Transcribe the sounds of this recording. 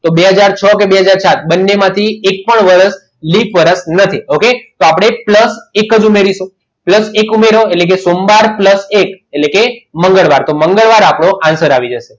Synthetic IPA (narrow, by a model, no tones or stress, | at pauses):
t̪obeɦəd͡ʒaɾt͡ʃʰəkebeɦəd͡ʒaɾsat̪̚ʰbənːemãt̪ʰiek̚pəɳʋəɾəs | lipʰʋəɾəsnət̪ʰioket̪oapɽ̃epləsekəd͡ʒumeɾiʃũ | pləsekumeɾoetlek̬esombaɾpləsekelekeməŋɡəɭʋaɾt̪oməŋɡəɭʋaɾapɽ̃oʔãnsəɾaʋid͡ʒəʃe